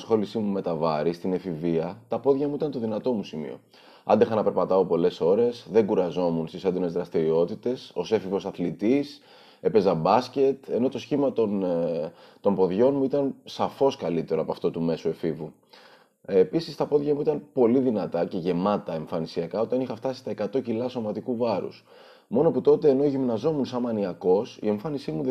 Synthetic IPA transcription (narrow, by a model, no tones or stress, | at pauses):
sxo̞lisimume̞t̪ɐvɐɾist̪ine̞fiviɐt̪ɐpo̞ðʝɐmuit̪ɐnt̪o̞ðinɐt̪o̞musimḭo̞̰ | ɐ̰nd̪exɐnɐpe̞ɾpɐt̪ɐopo̞le̞so̞ɾe̞sðe̞ɡuɾɐzo̞munst̪isend̪o̞ne̞zðɾɐst̪iɾio̞t̪it̪e̞so̞se̞fivo̞sɐθlit̪is | e̞pe̞zɐbɐsce̞t̪e̞no̞t̪o̞sçimɐt̪on | t̪o̞mpo̞ðʝo̞nmuit̪ɐnsɐfo̞skɐlit̪e̞ɾoɐpɐft̪ot̪ume̞sue̞fivu | episist̪ɐpo̞ðʝɐmuit̪ɐnpo̞liðinɐt̪ɐce̞ʝe̞mɐt̪ɐe̞ɱfɐnisiɐkɐo̞t̪ɐnixɐft̪ɐsist̪ɐe̞kɐt̪o̞cilɐso̞mɐt̪ikuvɐɾṵs | mo̞noput̪o̞t̪e̞ːno̞ʝimnɐzo̞munsɐnmɐniɐko̞sḭe̞ɱfɐnisimu